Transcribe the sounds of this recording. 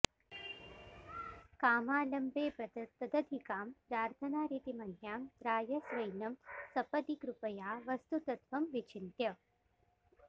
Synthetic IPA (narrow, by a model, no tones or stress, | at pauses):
kaːmaːlɐmbeːpɐd̪t̪ɐd̪ɐd̪ʱikaːmpɾaːɾt̪ʰɐnaːɾit̪imɐnjaːmd̪ɾaːjɐsʋɐjnɐmsɐpɐd̪ikɾupɐjaːʋɐst̪ut̪ɐt̪ʋɐmʋit͡ʃʰint̪jɐ